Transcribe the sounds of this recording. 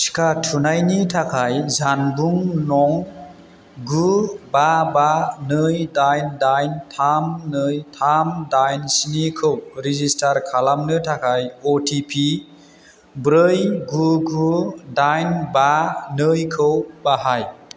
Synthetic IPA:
si̥kʰatʰunajnitʰakʰajzanbuŋnɔŋ | ɡubabanɯjdajndajntʰamnɯjtʰamdajnsinikʰɯwɾizistʰaɾkʰalamnɯtʰakʰajɔtʰipʰi | bɾɯjɡuɡudajnbanɯjkʰɯwbaɦaj

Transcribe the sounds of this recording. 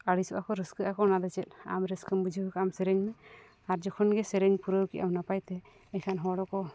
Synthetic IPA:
aɽisɔʔakɔɾəskəakɔnad̪ɛt͡ʃɛt̪̚a̰mɾɛskəmbud͡ʒʱibɔkamsɛɾɛŋmɛ | aɾd͡ʒɔkʰɔnɡɛsɛɾɛŋpuɾəwkiʔawnapajt̪ɛ | ɛkʰanɦɔɽɔkɔ

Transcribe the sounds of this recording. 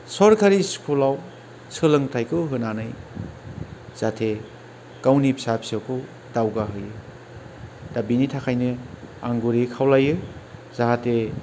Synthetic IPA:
sɔɾkʰaɾiskʰulaw | sʰɯlɯŋtʰajkʰɯwɦɯnanɯj | z̥atʰe | kawnipʰisapi̥sawkʰɯ | dawɡaɦɯjɯ | d̥abinitʰakʰajnɯa̰ŋɡuɾikʰawlajɯz̥aɦate

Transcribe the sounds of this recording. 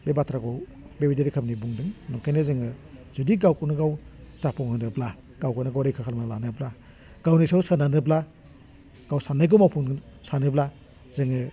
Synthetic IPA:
bebatʰɾaɡɔw | bewideɾikʰamnibuŋdɯŋnɔŋkʰajnɯzɯŋɯz̥udiɡawkunɯɡawzapʰɔŋhɯnɯbla | ɡ̥awkunɯɡawɾejkʰakʰalmanlanɯbla | ɡ̥awnisawsananɯbla | ɡ̥awsanajɡ̬ɔmawpʰunsanɯbla | zɯŋɯ

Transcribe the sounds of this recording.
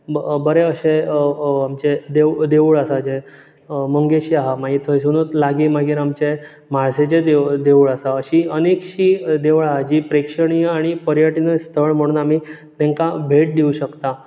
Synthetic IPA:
bəɾeəɕeamt͡ɕed̪ed̪eʋuɭasad͡ʑe | məŋɡeɕiːaɦamaɡiːt̪ʰəjsunət̪laɡiːmaɡiːɾamt͡ɕe | maɭset͡ɕed̪ed̪euɭasaəɕiənekɕiːd̪eʋɭaɦad͡ʑiːpɾekʂəɳijaɽ̃ipəɾjaʈinəst̪ʰəɭm̤əɽ̃uːnamiː | t̪ɛ̃ŋkabʱeʈ̚d̪iuɕəkt̪a

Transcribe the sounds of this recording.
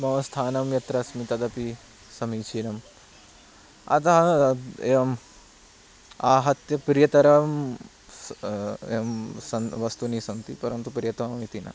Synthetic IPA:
mɐʋɐst̪ʰaːnɐmjɐt̪ɾɐsmit̪ɐd̪ɐpi | sɐmiːt͡ʃʰiːɾɐm | ɐ̰t̪ɐɦɐeʋɐm | aːɦɐt̪jɐpɾjɐt̪ɐɾɐm | eɐmsɐʋɐst̪uniːsɐnt̪ḭpɐɾɐnt̪upɾjɐt̪ɐʋɐmit̪ina̰

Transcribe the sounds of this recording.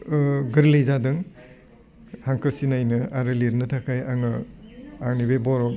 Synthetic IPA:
ɡɯɾlejzadɯŋ | haŋkʰɯɾsinajnɯaɾɯliɾnɯtʰakʰajaŋɯaŋnibebɔɾɔ

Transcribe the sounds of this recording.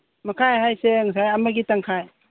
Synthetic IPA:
makʰajɦajseŋs̬ajamaɡitaŋkʰaj

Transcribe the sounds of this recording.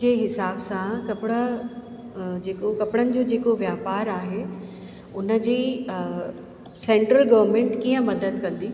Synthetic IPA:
eːɦɪsaːbsãkɐpɪɽə̆ | d͡ʑeːkokɐpɪɽənɪ̆d͡ʑoːd͡ʑeːkoʋjaːpaːɾaːɦe | ʊnə̆d͡ʑiː | sẽːɳʈɾəlɡɐʋəɾmẽːɳʈkiːə̃mɐd̪əd̪̚kɐ̃nd̪iː

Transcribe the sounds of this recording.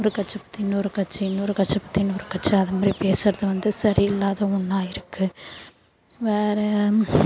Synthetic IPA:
ɔɾɯkɐt͡ʃːɐpɐ̥t̪ːɪjɪnːɔɾɯkɐʈt͡ʃːiɪnːɔɾɯkɐʈt͡ʃːɐpːɐt̪ːɪjnːɔɾɯkɐʈt͡ʃːɐɐðɐmaːdripeːsɐɾɐðɯʋɐnd̪ɯsɐɾiɪlːaːðɐʊnːaːjɪɾɯkːɯ | ʋeːɾɛ

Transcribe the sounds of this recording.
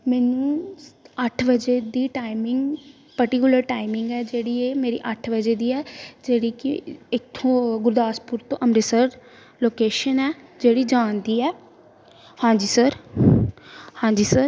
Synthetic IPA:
mɛːnũː | əʈʰʋəd͡ʒeːd̪iːʈaːɪmɪŋɡ | pəɾʈɪkjʊləɾʈaːɪmɪ̃ŋɡɛːd͡ʒeːɽiːeːmeːɾḭːʔəʈʰʋəd͡ʒeːd̪iːɛːd͡ʒeːɽiːkɪɪkt̪ʰːõːɡʊɾd̪aːspʊɾt̪õːʔəmɾɪsəɾ | loːkeːʃənɛːd͡ʒeːɽiːd͡ʒaːnd̪iːɛː | hãːɲd͡ʒiːsəɾ | hãːd͡ʒiːsəɾ

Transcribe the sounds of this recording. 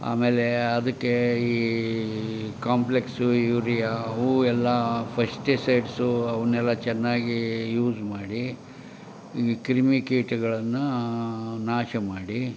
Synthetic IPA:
a̰ːmeːleɐd̪ɐkːeiː | kaːmpleksujuɾijauːɛlːɐpʰɐsʈesejʈsuɐʋɐnɛlːɐt͡ʃɛnːaːɡijuːd͡ʒmaːɽi | ikɾimikiːʈɡɐɭɐnːu | naːʃɐmaːɽi

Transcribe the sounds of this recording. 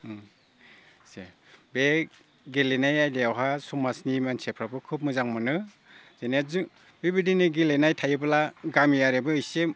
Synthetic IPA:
se | be | ɡelenajajdeawɦasumasnimansepʰɾabɯkʰɯp̚mɯzaŋmɯnɯ | z̥enaz | bibidiniɡilenajtʰajɯbɯlaɡamijaɾebɯɯjsem

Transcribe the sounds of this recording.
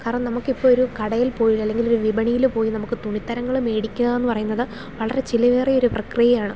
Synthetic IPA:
kaːɾɐɳɐmnɐmukːipːoːɭoɾukɐɽɐjilpo̞ːjiɐlːe̞ŋɡiloɾuʋibɐɳijilumpo̞ːjinɐmukːɨt̪uɳit̪ːɐɾɐŋːɐɭume̞ːɽikʲːuɣɐenːɨpɐrɐjunːɐðɨ | ʋɐɭɐɾe̞t͡ɕilɐʋeːrio̞ɾuprɐkrijɐjaːɳɨ

